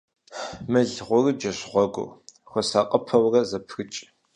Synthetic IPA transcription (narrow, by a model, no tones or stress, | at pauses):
mɨɮʁʷʊrɨd͡ʒɐɕʁʷɔɡʷʊ̰ | xʷɔsaqʼɐpʰɐwrɐzɐpʰɣɨt͡ʃʼ